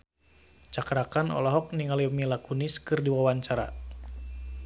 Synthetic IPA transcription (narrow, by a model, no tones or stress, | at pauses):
t͡ʃakɾakanɔ̰lɔɦɔk̚niŋaliumilakuniskɨrdiwawaɲt͡ʃaɾa̰